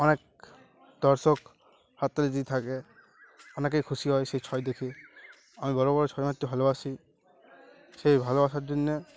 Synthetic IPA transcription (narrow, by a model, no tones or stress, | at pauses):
ɔnɛk̚ | d̪̥ɔɹsɔk | hat̪ɔlzit̪ʰakɛ | ɔnɛk̬ejkʰusiɦɔjsejt͡ʃʰɔjdekʰi | amibɔɹɔbɔɹɔt͡ʃʰɔjmat̪jobʱalɔasi | sejbʱalɔasatdunːɛ